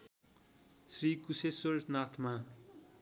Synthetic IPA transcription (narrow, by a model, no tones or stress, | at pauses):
srikusesornat̪ʰma